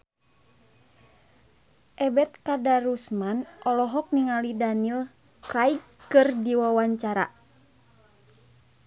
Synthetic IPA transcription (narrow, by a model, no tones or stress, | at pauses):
ʔɛbɛt̪̚kadaɾusmanɔlɔɦɔk̚niŋalidanil | kaikkɨrdiwawaɲt͡ʃaɾa̰